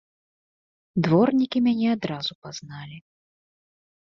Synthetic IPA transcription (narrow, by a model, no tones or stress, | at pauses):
d̪vɔrnʲikʲimʲanʲɛad̪ɾazupaznalʲi